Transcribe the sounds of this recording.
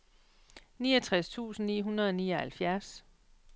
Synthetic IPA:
niːɐt͡sʰʁast͡sʰṵːsn̩niːɦunɐð̞ˠɒniːɐhælfjæɐs

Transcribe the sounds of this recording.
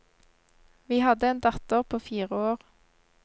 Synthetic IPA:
ʋiːhɑd̪əeːnd̪ɑt̪əʁpʰoːfiːʁəoːʁ

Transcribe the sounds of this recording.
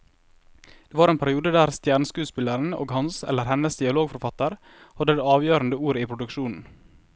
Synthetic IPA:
d̪̥eːʋɑːɾeːnpʰæɾɪuːd̪əd̪æːɾst̪jæːɳəskʉːspɪləɾn̩o̰ːɡhɑnsɛ̰ləɾhɛnəsd̪ɪɑloːɡfɔɾfɑt̪əɾ | hɑd̪əd̪eːɑːʋjøːɾənd̪əuːɾiːpʰɾʊd̪ʉkʃuːnn̩

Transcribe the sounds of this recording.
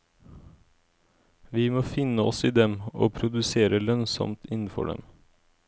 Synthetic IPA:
ʋiːmoːfɪnəɔsiːd̪ɛmo̰ːpʰɾʊd̪ʉseːɾəlœnsɔ̰mt̪ɪnn̩fɔ̰ɖɛ̰m

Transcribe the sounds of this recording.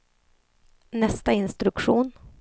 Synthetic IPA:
nɛst̪aɪnst̪ɾɵkʂuːn

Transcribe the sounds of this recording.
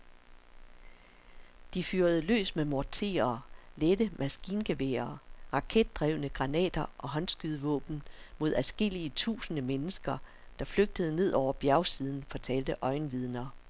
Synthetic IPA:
d̥ifyːɐðˠəlø̰ːsmemɒɐt͡sʰe̝̰ːɐːled̥əmʔæsɡ̥ḭːnɡ̥e̝ʋḛːɐːʁɑ̈kʰed̥̚ːʁɛʊnəɡ̥ʁɑ̈nɛ̰ːd̥ɐʔɒ̽ɦɒ̽nsɡ̥yðˠʋɔ̰̽ːb̥n̩mo̝ð̞̰ˠæsɡ̥e̝l̰iət͡sʰṵːsənəmenəsɡ̥ɐ | d̥ɑ̈fløɡ̥̚d̥əðˠəne̝ð̞̰ˠɒʊ̰ɐb̥jæɐʊsiːð̞ˠn̩fɒ̽t͡sʰɛːld̥əʔɒ̽ɪnʋið̞ˠnɐ

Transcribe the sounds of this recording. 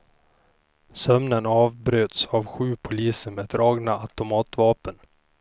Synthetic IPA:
sœmnənɑːvbɾøːt̪saːvɧʉ̟ːpʰʊliːsəɾmeːd̪ɾɑːɡnaat̪ʊmɑːt̪vɑːpən

